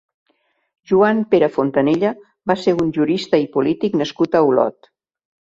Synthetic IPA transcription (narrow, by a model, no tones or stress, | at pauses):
ʒuampeɾəfont̪əneʎə | baseɾunʲʒuɾist̪əipulit̪iknəskut̪əulɔ̰t̪